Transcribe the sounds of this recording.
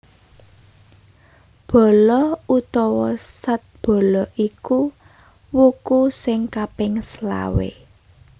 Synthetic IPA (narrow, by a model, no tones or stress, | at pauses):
b̥ɔ̤lɔut̪ɔwɔsat̪̚b̥ɔ̤lɔʔiku | wukusɪŋkapɪŋsla̰wḛ